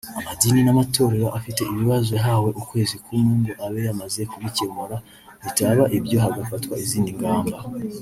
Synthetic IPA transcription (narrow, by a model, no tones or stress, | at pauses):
amadininamato̞ːɾe̞ɾoʔafite̞iβiβazo̞ɦawe̞ʔukwe̞ːzikumuːnduʔaβe̞jamaze̞kuβice̞muɾa | βitaβaʔibjo̞ɦaɡafatwaiziːndiŋɡaːmba